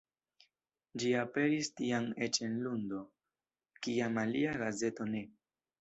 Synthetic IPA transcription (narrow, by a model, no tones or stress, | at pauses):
d͡ʒiape̞ɾistiame̞t͡ʃe̞nlundo̞ | kiamaliaɡaze̞to̞ne̞